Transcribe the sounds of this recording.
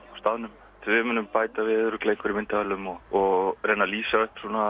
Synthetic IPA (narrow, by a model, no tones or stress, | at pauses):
awst̪aðnʏm | t̪ʰvɪmʏnːʏmpaːjt̪avɪðɾʏklejŋkʏɾimɪnt̪aalʏmɔɔɣɣreːjnaliːsaʏhpsuːna